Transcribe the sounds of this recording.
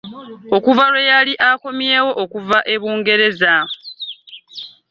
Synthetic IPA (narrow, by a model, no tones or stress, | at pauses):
o̞kuvaɾwe̞jaliʔako̞mje̞ːwo̞ʔokuvaʔe̞βuːŋɡe̞ɾe̞za